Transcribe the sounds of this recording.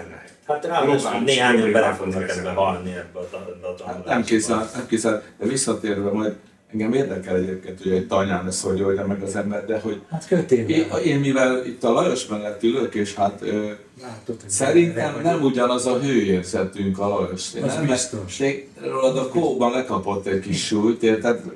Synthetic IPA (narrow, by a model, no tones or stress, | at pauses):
nɛ̰ | hat̪aova̰neːɦaːɲobɛlɛfoɡnɛkɛzbɛɦɒlniɛbːøt̪d̪t̪a̰t̪nɛmkeːzɛnɛmkezɛld̪̥ɛvisːɒt̪eːrvɛmɒjd̪ | ɛŋɡɛmeːrd̪ɛkɛlɛɟerkɛnt̪øjɛoɟt̪ɒɲaːnɛsoɟoljɒmɛɡɒzɛnːɛd̪d̪ɛɦo̞ɟhat̪køt̪eeːnmivɛlit̪ːɒlɒjoʃmɛllɛt̪ːiløkeːʃhat̪øː | laːt̪osɛɾint̪ɛmnɛmuɟɒnɒzɒɦøːeːrzɛt̪yŋkɒlɒjoʃḛnɛmɛeɡ | ɾoːlɒd̪ɒkoːbɒnlɛkɒpo̞t̪ːɛɟkiʃːuːjt̪et̪aːt̪